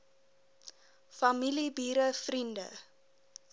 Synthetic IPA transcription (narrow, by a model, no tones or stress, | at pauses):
fɐmilibiːɾəfrində̰